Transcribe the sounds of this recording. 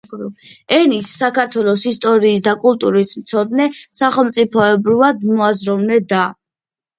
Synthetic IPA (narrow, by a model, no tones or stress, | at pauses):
ɛnisːakaɾt̪ʰwɛlˠɔsist̪ʼɔɾiːs̬d̪akʼulˠt̪ʼuɾismt̪sʰɔd̪nɛsaχɛlˠmt̪sʼipʰɔɛbɾivad̪mɔazɾɔvnɛd̪a